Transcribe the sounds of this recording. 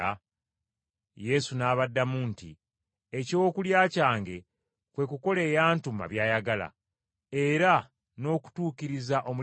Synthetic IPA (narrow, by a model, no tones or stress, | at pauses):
a | je̞sunaːβadːamunti | ecoːkuljaːcaːŋɡe̞ | kwe̞kuko̞le̞ːjaːntuma̰βjaːjaɡala̰ | e̞ɾa | no̞ːku̥tuːkiɾizaʔo̞mu